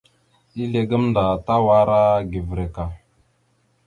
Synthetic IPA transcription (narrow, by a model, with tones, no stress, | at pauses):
i˦le˨ɡə˦mnda˨ta˦wa˦ɾa˦ɡe˨vɾe˨ka˨